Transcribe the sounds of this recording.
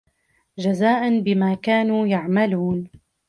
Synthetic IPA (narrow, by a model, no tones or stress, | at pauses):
d͡ʒazaːʔanbɪmaːkaːnuːjaʕmaluːn